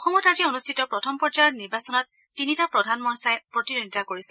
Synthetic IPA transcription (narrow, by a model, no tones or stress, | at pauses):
ɔxɔmɔtazionustʰitɔpɹɔtʰɔmpɔt͡ʃaɹniɹbasɔnɔtː | initapɹɔdʱanmɔɹsajpɹɔtizonitakoɹisɛ